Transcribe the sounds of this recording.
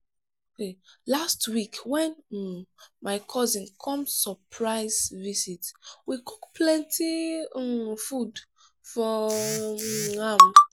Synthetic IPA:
okelastwikwɛ̃n̩ | maɪkʰɔzĩnkʰɔ̃msɔpʰɹaɪzvizitwikukplɛ̃ntʰi | fud | fɔ | am

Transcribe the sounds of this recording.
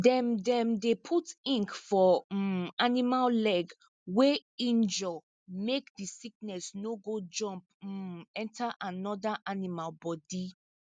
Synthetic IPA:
dɛ̃mdɛ̃mdepʰutĩŋkfɔ | animallɛɡ | weĩnd͡ʒɔ | mekdisik̚nɛsnoɡod͡ʒɔ̃mp̩̚ɛ̃ntʰaʔanɔdaʔanimalbɔdi

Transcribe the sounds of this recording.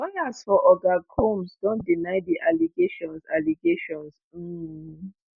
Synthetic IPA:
lɔjasfɔʔɔɡakʰomsdɔ̃ndinaɪdiʔaliɡeʃɔ̃nsaliɡeʃɔ̃ns̩

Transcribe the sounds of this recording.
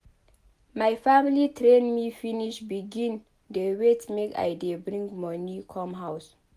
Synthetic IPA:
majfamilitɾẽnmifiniʃbiɡĩn | dewetmeka̰jdebɾĩŋɡmɔnukʰɔmɦaws

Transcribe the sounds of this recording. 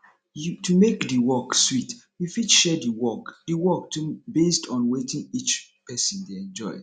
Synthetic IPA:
jtumekdiwɔkswitwifitʃɛdiwɔkdiwɔk̚tʰubestʰɔ̃nwetĩŋit͡ʃpʰɛsə̃ndeɛ̃nd͡ʒɔ̰ɪ

